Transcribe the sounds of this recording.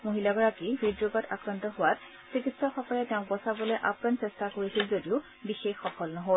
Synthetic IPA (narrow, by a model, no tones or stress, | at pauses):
moɦilaɡɔɹakibidobata̰kɹantɔɦowat̚ | sikitsɔxɔkɔɹɛtɛʊ̃k̚bɔsaboleʔapnansestakoɹisilzodiʊ | bixexxɔfɔlnɔɦol